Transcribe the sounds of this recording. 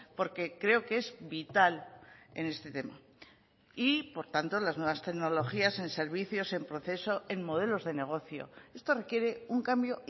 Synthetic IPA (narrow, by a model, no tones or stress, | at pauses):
po̞ɾke̞kɾe̞okee̞zβit̪ale̞ne̞st̪e̞t̪e̞ma | ipo̞ɾt̪ant̪o̞laznwe̞β̞ast̪e̞ɣno̞lo̞xiase̞nse̞ɾβiθjo̞se̞mpɾo̞θe̞so̞e̞nmo̞ð̞e̞lo̞zðe̞ne̞ɣ̞o̞θjo̞̰e̞st̪o̞re̞kje̞ɾe̞uŋkambjo̞